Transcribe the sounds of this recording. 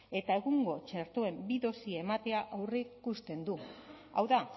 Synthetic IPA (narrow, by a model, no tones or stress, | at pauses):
e̞t̪ae̞ɣuŋɡo̞t͡ʃeɾt̪oe̞mbiðo̞sie̞mat̪e̞aʔawrekust̪e̞nd̪u | awða